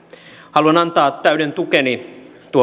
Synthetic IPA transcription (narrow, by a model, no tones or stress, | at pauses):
hɑluɑnɑnt̪ɑːt̪ːæydent̪ukeni | t̪uo